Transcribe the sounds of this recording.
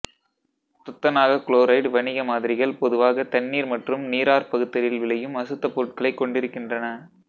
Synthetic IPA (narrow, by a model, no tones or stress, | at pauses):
t̪ʊt̪ːɐnaːɣɐkɭoːɾɐɪʈʋɐnɪɣɐmaːðɪɾɪɣɐɭpɔðɯʋaːɣɐt̪ɐɳːiːɾmɐʈrɯmniːɾaːɾpɐɣɯt̪ːɐɾɪlʋɪlɐjɯmɐsɯt̪ːɐpːoːʈ̚kɐɭɐɪkːɔɳɖɪɾɯkːɪndrɐnɐ